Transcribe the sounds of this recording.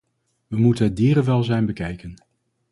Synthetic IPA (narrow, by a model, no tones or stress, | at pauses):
ʋəmutənɦt̚diːɾəʋɛlˠzɛjnbəkɛjkən